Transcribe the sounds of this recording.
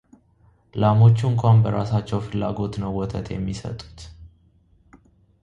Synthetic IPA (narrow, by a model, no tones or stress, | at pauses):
lamo̞t͡ʃːuɨŋkʰʷambəɾasat͡ʃːɛwfɨlːaɡo̞t̪nəwːɔt̪ʰət̪ʰjɛ̰mːisə̰t̪ʼu̥t̪